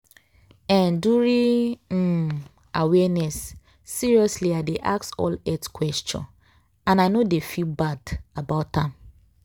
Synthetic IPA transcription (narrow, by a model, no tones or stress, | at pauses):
ɛ̃nduɹĩ | awɛnɛsː | iɹiɔsliadeʔa̰ksɔ̰lɛtkwɛst͡ʃɔ̰̃n | ãnaɪnodefilbadabaʊtãm